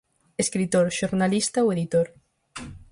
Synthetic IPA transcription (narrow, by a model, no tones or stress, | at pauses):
eskɾit̪oɾʃoɾnalist̪aoeðit̪oɾ